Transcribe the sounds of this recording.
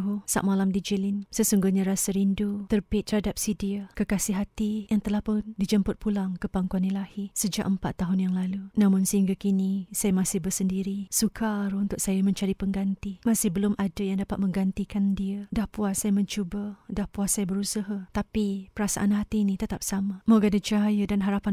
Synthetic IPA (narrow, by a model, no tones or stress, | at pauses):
ɦusa̰ʔ̚malamdid͡ʒilinsəsuŋɡʊhɲaɾasaɾindut̪ərbɪt̪ːəɾadap̚sidiakəkasiɦat̪ijaŋt̪əlahpʊndid͡ʒəmpʊt̪̚pʰulaŋkəpaŋkuanilahisəd͡ʒa̰ʔəmpat̪ːaɦʊnjaŋlalunamʊnsəɦiŋɡakinisajamasɪhbərsəndiɾisukʰaɾunt̪ʊk̚sajamə̃ɲt͡ʃaɾipəŋɡant̪imasɪhbəlʊmʔadajaŋdapat̪̚mə̃ŋɡant̪ikandiədahpuasajamə̃ɲt͡ʃubadahpuasajabəɾusəɦat̪apipəɾasa̰ʔanɦat̪inĩt̪ət̪ap̚samamoɡadad͡ʒajədanɦaɾapan